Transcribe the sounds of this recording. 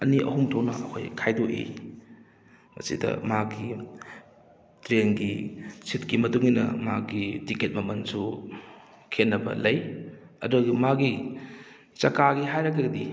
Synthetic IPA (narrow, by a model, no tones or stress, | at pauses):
ɐniʔɐ̰ɦumtʰownɐ̰ɐ̰kʰojkʰajdoʔḛ | mɐ̰sḭdɐ̰maɡi | tɾenɡisʰit̚kimɐtuŋinɐ̰maɡitiket̚mɐmɐnsu | kʰenːɐbɐ̰lɐj | ɐ̰duɡmaɡi | t͡ʃɐkaɡiɦajɾɐkeɡɐdi